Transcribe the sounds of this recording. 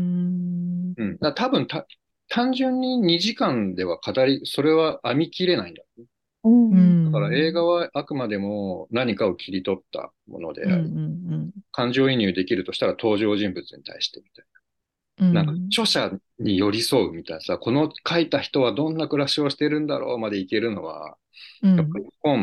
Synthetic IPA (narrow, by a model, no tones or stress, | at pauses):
ɯ̟̃ɴd̪at̪abɯ̟̃nt̪a | t̪ʰãɲ̟d͡ʑɨ̃ɲ̟ːiɲ̟iʑikãnd̪e̞βakʰat̪aɾʲiso̞ɾe̞βaʔamʲikʲiɾe̞naĩnd̪aone | d̪akaɾae̞ːɡaβaakɯ̟mad̪e̞mo̞naɲ̟ikao̞kʲʰiɾʲit̪o̞t̪ːa̰ | mo̞̰nod̪e̞̰a̰ɾʲi | kãɲ̟d͡ʑo̞ːiɲ̟jɯːd̪e̞kʲiɾɯ̟t̪o̞ɕi̥t̪aɾat̪o̞ːʑo̞ːʑĩmbɯ̟t͡sɨɲ̟it̪ʰa̰iɕi̥t̪e̞mʲi̥t̪aina | nãŋkat͡ɕo̞ɕa | ɲ̟ijo̞ɾʲiso̞ɯmʲit̪ainasako̞no̞kʰait̪açi̥t̪o̞β̞ad̪õ̞nːakɯ̟ɾaɕio̞ɕi̥t̪e̞ɾɯ̟̃nd̪a̰ɾo̞̰ːmad̪e̞ike̞ɾɯ̟no̞ɡa̰ | japːaɾʲikõm